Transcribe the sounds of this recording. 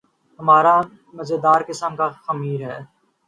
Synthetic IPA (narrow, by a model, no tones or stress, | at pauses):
ɦɐmaːɾa | mɐzed̪aːɾkɪsəmkaxɐmiːɾɦɛː